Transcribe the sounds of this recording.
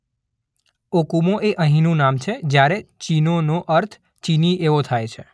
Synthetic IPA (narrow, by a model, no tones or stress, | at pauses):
okumoʔeʔəɦĩnũnamt͡ʃʰed͡ʒjaɾet͡ʃinonoʔəɾt̪ʰ | t͡ʃinieʋot̪ʰajt͡ʃʰe